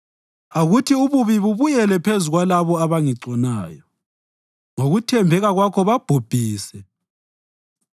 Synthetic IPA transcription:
aɣutʰiuβuβiβuβujɛlɛpʰezuɣwalaβɔaβaŋiǀɔnaːjɔ | ŋoɣutʰɛmbʱɛɣaɣwakʰɔβab̥ʱob̥ʱiːsɛ

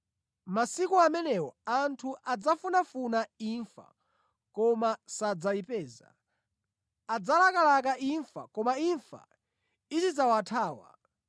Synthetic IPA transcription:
masikuamɛnɛwɔantʰuʔad͡zafunafunaiɱfa̰ | kɔmasad͡zaipɛːza̰ | ad͡zalakalak̬aʔiɱfa̰kɔmaiɱfa̰ | izid͡zawatʰaːwa̰

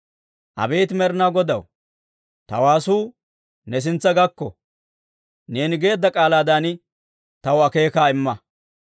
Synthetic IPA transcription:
ʔɐ̰be̞ːt̪ɪmɛɾɪnaːɡɔd̪ɐw | t̪ɐ̰waːsuː | nɛs̬ɪnt͡sːɐɡɐkːɔ̰ | ne̞ːnɪɡe̞ːd̪ːɐkʼaːlaːd̪aːnɪ | t̪ɐwɐke̞ːkaːɪmːɐ

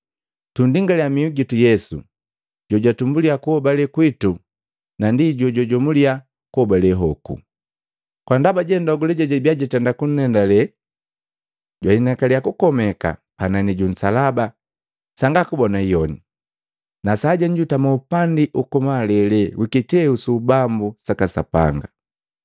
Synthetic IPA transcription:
tundiŋɡalɛamiuɡitujɛsṵ | ɟɔɟwatumbuliakuhɔbalɛkwitu | nandiɟɔɟɔɟɔmulia | kuɔbalɛɦɔkṵ | kwandabaɟɛndɔɡulɛɟaɟɛbiaɟɛtɛndakun̩ːɛndalɛ | ɟwainakaliakukɔmɛka̰ | pananiɟun̩salaba | saŋɡakubɔnaijɔni | nasaːɟaɲɟutamaupandiʔukɔmalɛlɛwikitɛusubambusakasa̰pa̰ŋɡa

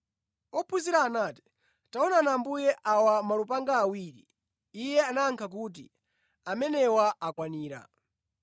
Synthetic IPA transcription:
ɔpʰuziɾaːnaːti̥ | taɔnanambujɛʔawamalup̬aŋɡaːwiɾi | ijɛanaːŋkʰak̬ut̬i | amɛnɛwaakwaniːɾa̰

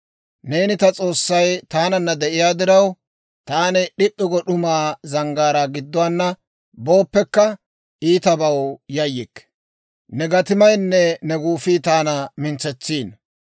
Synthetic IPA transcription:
neːnɪt̪ɐt͡sʼo̞ːsːɐjt̪aːnɐnːɐd̪ɛʔɪjaːd̪ɪɾɐw | t̪aːnɪɗɪʔːɪɡɔɗʊmaːzɐŋɡaːɾaɡɪd̪ːʊwanːɐ | bo̞ːpːɛkːɐ | iːt̪ɐbɐwjɐjɪkː | nɛɡɐt̪ɪmɐjnːɛnɛɡuːfiːt̪aːnɐmɪnt͡sɛt͡sːiːn

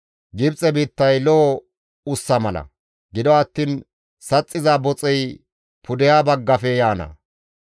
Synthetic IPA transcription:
ɡɪbt͡sʼɛbiːt̪ːɐjlɔ | ʊsːɐmɐlɐ̰ | ɡɪd̪ɔɐt̪ːiːn | sɐt͡sʼːɪzaːbɔt͡sʼɛj | pʰʊd̪ɛjaːbɐɡːɐfɛjaːnɐ̰

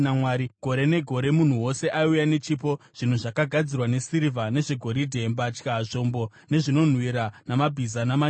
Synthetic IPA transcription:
amwaːɾiɡ̥ʱo̞ɾe̞ne̞ɡʱo̞ɾe̞mun̤uwo̞se̞ʔaujane̞t͡ʃipo̞ | ʐ̥in̤uʐakaɡʱad͡zirwane̞siɾivane̞ʐeɡʱo̞ɾidʱe̞mbat͡ʃkaʐombo̞ | ne̞ʐino̞n̤wiɾanamabʱizanama

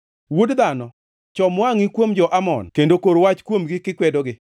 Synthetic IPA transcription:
wudd̪anɔ | t͡ʃɔmwaŋikwomd͡ʒɔʔamɔ̰nkendokoɾwat͡ʃkwomɡɪkɪkwɛdɔɡɪ

